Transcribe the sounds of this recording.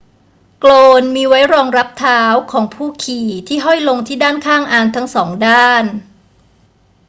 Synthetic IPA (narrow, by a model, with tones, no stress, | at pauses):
kloː˧nmiː˧wa˦˥jɾɔː˧ŋɾa˦˥p̚t̪ʰaː˦˥wkʰɔː˩˦ŋpʰuː˥˩kʰiː˨˩t̪ʰiː˥˩ɦɔ˥˩jlo˧ŋt̪ʰiː˥˩daː˥˩nkʰaː˥˩ŋʔaː˧nt̪ʰa˦˥ŋsɔː˩˦ŋdaː˥˩n